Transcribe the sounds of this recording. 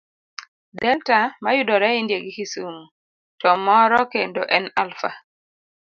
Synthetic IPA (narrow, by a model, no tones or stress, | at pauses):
dɛltamajʊdɔɾɛɪndjeɡɪkisumu | tɔmɔɾɔkendoʔɛnalfa̰